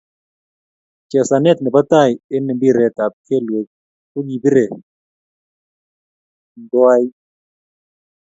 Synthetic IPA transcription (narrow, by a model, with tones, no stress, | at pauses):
t͡ʃɛ˨sa˨nɛ˦t̪̚nɛ˨ba˦t̪a˦˨jɪ˦nɛ˨bi˦˨ɾɛ˨t̪a˨p̚kʰɛ˦˨lwe˨k̚ | o˦ɲi˨bi˦ɾe˨ | ndwa˦j